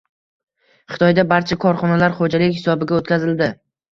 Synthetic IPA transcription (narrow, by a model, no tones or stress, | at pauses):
χɨ̥t̪ʰɒjd̪abaɾt͡ʃʰakʰɒɾχɒnalaɾχod͡ʒalɪkʲhɪsɒbɪɡʲaot̪̚kʲʰazɪld̪ɪ